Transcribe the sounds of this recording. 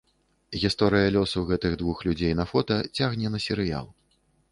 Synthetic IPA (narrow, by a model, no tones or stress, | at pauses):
ɣʲist̪ɔɾɨjɐlʲɔsɐwɣɛt̪ɨɣd̪vuxlʲud͡zʲejnɐfɔt̪ɐt͡sʲaɣnʲɛnɐsʲɛɾɨja̰lˠ